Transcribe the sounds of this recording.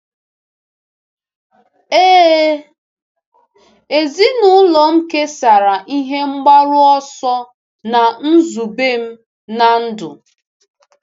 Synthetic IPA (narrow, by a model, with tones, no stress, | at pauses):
eː˦ | e˨zi˦nʊ˦lɔ˨m̩˦ke˦sa˨ɾa˨ʔi˦ɦe˦ŋ͡m̩˦ɡ͡ba˦ɾʊ˦ɔ˦sɔ˦ | na˨n̩˦zu˨be˦m̩˦ | na˨n̩˦dʊ̰˨